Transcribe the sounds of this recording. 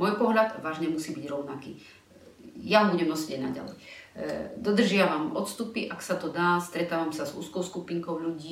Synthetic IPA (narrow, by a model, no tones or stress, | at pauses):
mɔjpɔɦlʎad̪ʋaːʒɲɛmusiːbiɟɾɔʊnakḭː | jaɦɔbuɟɛmɔsɛɟɛɟna̰ɟa̰lɛ̰j | d̪ɔd̪r̩ʒɪaʋamɔt̪st̪upiʔaksat̪ɔd̪aːst̪ɾɛt̪aːʋamsazṵːskɔʊskupiːŋkɔʊʎuɟiː